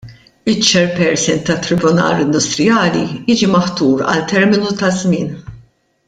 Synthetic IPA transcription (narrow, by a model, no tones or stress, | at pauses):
ɪt͡ʃːɛɾpɛɾsɪnt̪ɐt̪ːɾɪbʊnɐ̰ːɾɪnd̪ʊst̪ɾɪjɐːlijiːd͡ʒimɐħt̪uːɾɐ̰lt̪ɛɾmɪnut̪ɐzmɪːn